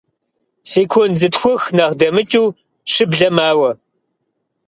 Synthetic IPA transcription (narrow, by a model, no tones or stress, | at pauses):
seːkʷʰɔnzɨtxʷɔxnɐʁdɐmɨt͡ʃʼuː | ʂɨbɮɐmaːwɐ